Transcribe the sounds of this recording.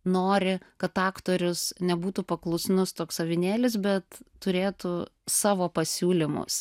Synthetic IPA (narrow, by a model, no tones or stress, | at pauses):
noːɾʲɪkɐt̪ɑːkt̪oːɾʲʊsnʲɛbuːt̪ʊpɐklˠʊsnʊst̪oːksɐʋʲɪnʲeːlʲɪs̬bʲɛt̪ː | ʊɾʲeːt̪ʊsɑːʋoːpɐsʲuːlʲɪmʊ̰s